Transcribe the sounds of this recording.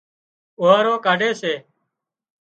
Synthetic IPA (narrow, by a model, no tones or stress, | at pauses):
oːaːɾoːkaːɖeːseː